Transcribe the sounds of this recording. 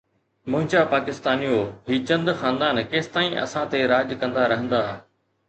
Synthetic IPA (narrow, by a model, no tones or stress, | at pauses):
mʊ̃ɦɪ̃ɲt͡ɕapaːkɪst̪aːnijoɦiːt͡ɕɐ̃nd̪xaːnd̪aːnkeːst̪aːĩʔɐ̰sãt̪eɾaːd͡ʑkɐ̃nd̪aɾɐɦə̃nd̪aː